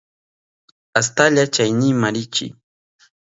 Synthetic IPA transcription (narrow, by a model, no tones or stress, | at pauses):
as̬t̪aʎat͡ʃajnɪmaɾɪt͡ʃɪ̰